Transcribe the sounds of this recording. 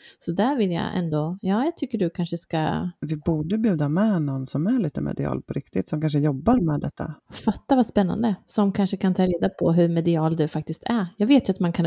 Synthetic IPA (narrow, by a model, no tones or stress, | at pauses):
sɔd̪æɾvɪlja̰ʔɛ̰nd̪ojɑːjaːɡt̪ʰʏkːəɖɵkʰanʂəska̰vɪbuːɖəbjʉ̟ːd̪amɛnɔnːsɔmæɭiːt̪əmʔɛ̰d̪ɪɑ̰ːlpʰɔɾɪkt̪ɪt̪sɔmkʰanʂəjɔbːaɾmɛːd̪ɛt̪ʰːa̰fat̪ːavaspɛnːa̰nd̪əsɔmkʰanʂəkʰant̪ʰɑːɾeːd̪apʰɔɦɵɾmɛd̪ɪɑːld̪ɵfak̚t̪ɪst̪ʰæjɑːɡveːt̪jɵat̪mankʰan